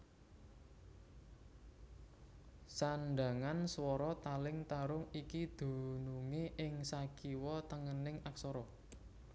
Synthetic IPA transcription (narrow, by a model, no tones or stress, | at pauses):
sanɖa̤ŋanswɔɾɔt̪alɪŋt̪aɾʊŋikid̪̥o̤nuŋeʔɪŋsakiwɔt̪əŋənɪŋaksɔɾɔ